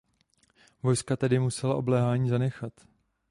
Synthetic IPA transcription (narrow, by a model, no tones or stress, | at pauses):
vo̞jskat̪ɛdɪmusɛlaʔo̞blɛːɦaːɲiːzanɛxat̪